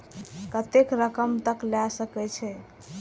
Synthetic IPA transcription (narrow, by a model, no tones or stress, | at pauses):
kət̪ekɾəkəmt̪əklasəkɛt͡ʃʰɛ